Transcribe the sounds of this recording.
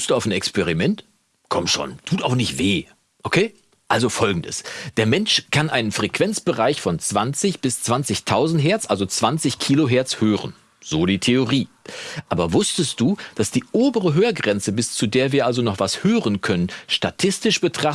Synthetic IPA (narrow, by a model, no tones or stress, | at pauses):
std̥uːaʊnɛkspɛʁ̞imɛnt | kʰɔmʃo̰ːntʰuːtaʊxnɪçtv̥eː | ʔokʰeː | ʔalzofɔlɡŋ̩də̰sd̥eːɐmɛnʃkʰanʔaɪnənfʁ̥ekv̥ɛnt͡sb̥əʁaɪçfɔnt͡sv̥ant͡sɪçb̥ɪst͡sv̥ant͡sɪçtʰaʊzn̩tɦɛɐt͡sʔalzot͡sv̥ant͡sɪçkʰiːloɦɛɐt͡shøːʁən | z̥oːdiːtʰeoʁiːʔaːbɐvʊstəst̚d̥uːd̥asd̥iːʔoːbəʁəɦøːɐɡʁɛnt͡səbɪst͡sudeːɐviːɐʔalzonɔχv̥ashøːʁənkʰœnənʃtatʰɪstɪʃb̥ətʁ̥a